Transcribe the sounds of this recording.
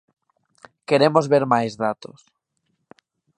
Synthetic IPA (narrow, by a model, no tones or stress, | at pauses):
keɾemozβeɾmajzðat̪os